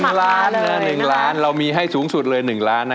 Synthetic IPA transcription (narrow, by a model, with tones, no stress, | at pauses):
laː˦˥nːa˦˧˥nɯ˨˩ŋɾaː˦˥nɾa˧wmiː˧ɦa˥˩jsuː˩˦ŋsu˨˩t̪̚lɤː˧jnɯ˨˩ŋɾaː˦˥nːa˧